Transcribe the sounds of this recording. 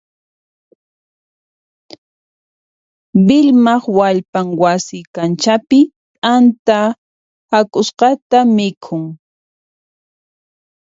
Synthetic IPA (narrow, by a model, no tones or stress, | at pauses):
bɪlmɑχwaʎpaŋwasɪkant͡ʃapɪ | t̪ʼant̪a | hakʼʊsqɑt̪amɪkʰʊŋ